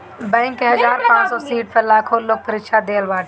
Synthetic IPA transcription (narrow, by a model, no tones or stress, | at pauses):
bɛ̃ːŋkːeɦɐzaːɾpãːt͡ʃsɔːsiːʈ̚pɐɾlaːkʰolok̚pəɾɪkʃad̪eːəlʋaːʈ